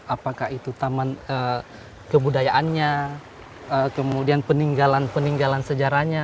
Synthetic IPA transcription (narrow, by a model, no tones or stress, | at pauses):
apakahit̪ut̪amanə | kəbudajaʔanɲa | əkəmudianpəniŋɡalanpəniŋɡalansəd͡ʒaɾaɲa